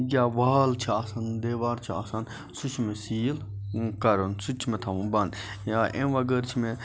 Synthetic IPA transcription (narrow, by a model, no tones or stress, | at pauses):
ɡʲaːʋaːlt͡ʃʰiaːsɐnd̪eːʋaːɾt͡ʃʰia̰san | sut͡ʃʰmẽsiːlkɐɾonsut͡ʃʰmẽt̪ʰɐʋũbɐn | jaʔẽʋɐɡəɾt͡ʃʰimẽ